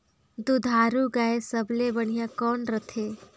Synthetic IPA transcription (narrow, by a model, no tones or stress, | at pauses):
d̪ud̪ʱaːɾuɡaesəblebəɳijakɔːnɾət̪ʰe